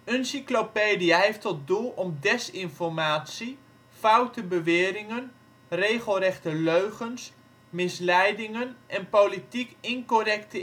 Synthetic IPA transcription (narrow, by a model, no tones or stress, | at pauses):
ənsiklopeːdijaɦejftɔt̚dulˠɔmdɛsɪnfɔrmaːtsi | fawtəbəʋɪːɾɪŋən | rejχəlˠrɛχtəløɥɣəns | mɪslɛjdɪŋənʔɛnpowlitikɪnkorɛktə